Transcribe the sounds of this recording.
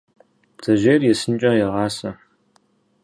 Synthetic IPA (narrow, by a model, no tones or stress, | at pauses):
b̥zɐʒeːrjɛsɨnt͡ʃʼɐjɛʁɑːsɐ